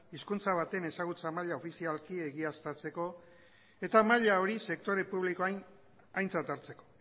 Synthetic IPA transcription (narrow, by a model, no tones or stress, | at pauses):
iskunt͡saβ̞at̪e̞ne̞saɣ̞ut͡samaʎao̞fisialkie̞ɣiast̪at͡se̞ko̞ | e̞t̪amaʎao̞ɾise̞k̚t̪o̞ɾe̞puβliko̞ajn | ajnt͡sat̪aɾt͡se̞ko̞̥